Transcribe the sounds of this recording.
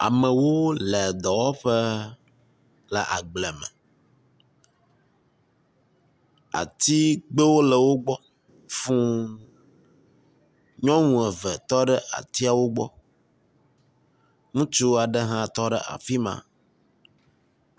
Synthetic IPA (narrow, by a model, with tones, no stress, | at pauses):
a̰˨mə̃˨wo˦lɛ˨d̪ɔ˨wɔ˦ɸə˦ | lə˨ʔa̰˨ɡ͡blɛ˨mɛ̰̃˨ | a̰˨t̪i˦ɡ͡bə˦wo˦lə˨wo˦ɡ͡bɔ˦ | fũ˦ | ɲɔ̃˦ŋũ˨ɛ˨vɛ˨t̪ɔ˦ɖə˦ʔa̰˨t̪i˦a˨wo˦ɡ͡bɔ̰˦ | ŋũ˦t͡ʃu˦wa˨ɖə˦ɦã˦t̪ɔ˦ɖə˦ʔa̰˨fi˦mã̰˨